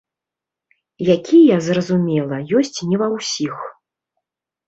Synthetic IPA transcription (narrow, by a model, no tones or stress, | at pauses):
jakʲijɐzrɐzumʲɛlˠɐjɔsʲt͡sʲnʲɛvɐwsʲix